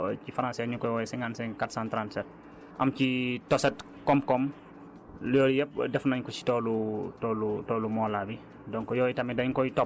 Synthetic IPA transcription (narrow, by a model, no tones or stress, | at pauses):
cifaɾãnsɛɲukɔjwɔjɛsɛŋɡansɛkatsãːntɾansɛt̚ | ʔɐmcitɔsɛt | kɔmkɔm | ljɔɾijɛp̚dɛfnaɲkɔsi̥tɔlutɔlutɔlumɔlabi | dɔŋkɔjɔjitɐmidɐɲkɔjitɔp